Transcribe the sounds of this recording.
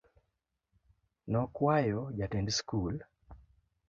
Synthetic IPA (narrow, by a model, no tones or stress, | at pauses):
nɔkwajɔd͡ʒatɛndskul